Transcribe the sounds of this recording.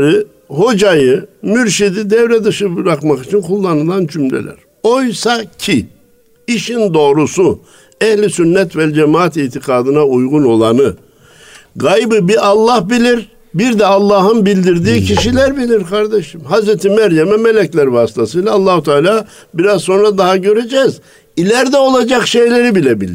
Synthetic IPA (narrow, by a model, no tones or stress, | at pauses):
ɾɯ | ho̞d͡ʒajɯmyɾʃid̪id̪ɛvɾɛd̪ɯʃɯbɯɾakmakit͡ʃʰinkʰulˠːanɯlˠand͡ʒymlʲḛlʲæ̰ɾ̥ | o̞jsacʰi | iʃind̪o̞ːɾusu | ɛhlʲisynːɛt̪vɛd͡ʒɛmaːat̪iːt̪ʰikʰaːd̪ɯnaujɡuno̞lˠanɯ | ɡajbɯbiɑlˠːahbilʲiɾ | biɾd̪ɛɑlˠːɑːɦɯnbilʲd̪iɾd̪iːcʰiʃilʲæɾbilʲiɾkʰaɾd̪eʃɯmɦazɾɛt̪ʰimæɾjɛmɛmelʲɛclʲæɾvaːsi̥t̪ʰasɯjlˠaːlˠːaːhut̪ʰaːlʲaː | biɾazso̞nɾad̪aɦaɟø̞ɾed͡ʒɛz | ilʲæɾd̪ɛo̞lˠad͡ʒakʃe̞jlʲe̞ɾibilʲɛbilʲiɾ